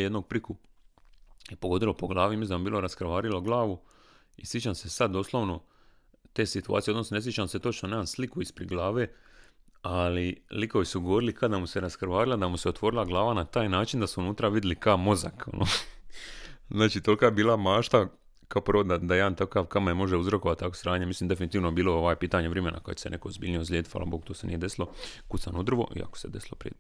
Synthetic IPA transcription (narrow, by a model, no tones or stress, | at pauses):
jed̪noɡ̚pɾiku | epoɡo̞d̪ilopo̞ɡlˠaːʋimizlambiːlˠo̞ɾaskɾʋaːɾiloɡlˠaːʋu | isjet͡ʃamse̞sad̪̚d̪o̞slˠo̞ʋno̞ | t̪e̞ːsit̪ua̰ːt̪sieod̪no̞snone̞s̬jet͡ʃamset̪o̞t͡ʃnonemanslikuispɾed̪ɡlˠaːʋe̞ | aliliko̞ʋisuɡoʋoɾilikʰad̪amuseɾaskɾʋaːɾilˠad̪amuseo̞t̪ʋo̞ɾilˠaɡlˠaːʋanat̪aːjnaːt͡ʃind̪asuunuːt̪ɾaʋid̪ilikaomo̞zako̰nʔo | znaːt͡ʃiːt̪o̞likaːjebiːlˠamaːʃt̪a | kaopɾoːd̪d̪ad̪ajed̪ant̪akaːʋkamajemo̞ʒeuzɾo̞koat̪t̪ːakosɾaːɲemisliːmd̪e̞finit̪iːʋnoebiːlooʋajepiːt̪aɲeʋɾemenʔa̰kat͡ɕesenekoozbiːlʲnijozlʲed̪i̥fa̰la̰boɡ̚t̪oːsenḭjed̪e̞silˠo̞kut̪sanud̪r̩ʋo̞̰ʔḭa̰ko̥se̞d̪esilˠo̞̰pɾḭ